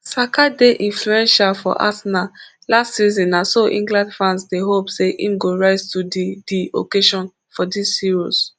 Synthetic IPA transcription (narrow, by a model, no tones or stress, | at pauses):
sakadeʔĩnfluɛ̃nʃalfɔ̰ʔa̰sna | lastsizɔ̃nasoʔḭ̃ŋɡlãndfɹãnsdeɦopseʔḭ̃mɡoɹaɪztuddio̰keʃɔ̃n | fɔdishiɹos